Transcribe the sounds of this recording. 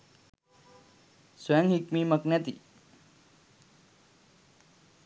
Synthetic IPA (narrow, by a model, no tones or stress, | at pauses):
swɐjaŋɦikmiːməknɛt̪ḭ